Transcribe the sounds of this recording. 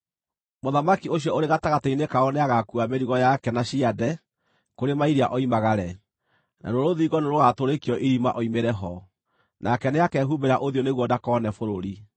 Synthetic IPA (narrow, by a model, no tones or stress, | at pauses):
moðamakioɕjɔoɾeɣataɣateinekaɔneaɣakuameɾiɣɔjakɛnaɕiadɛ | koɾemaiɾiaʔɔimaɣaɾɛ | na̰doɾoðiːɣɔneɾoɣatoɾekjɔʔiɾima̰ʔɔimeɾɛɦɔ | nʔakɛneakɛɦubeɾaʔoðioneɣwɔdakɔnɛfoɾoɾi